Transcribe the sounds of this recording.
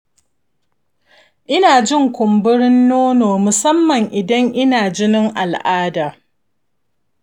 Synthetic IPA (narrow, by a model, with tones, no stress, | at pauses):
ʔɪ˦naː˨d͡ʒɪ˦˨ŋkʷʊ˨mbʊ˦ɾɪ˦nːoː˦noː˨mʊ˨sɐ˦mːɐ˨ŋʔɪ˨dɐ˦ŋʔɪ˦naː˨d͡ʒɪ˦nɪ˦ŋʔa˨lʔaː˦daː˨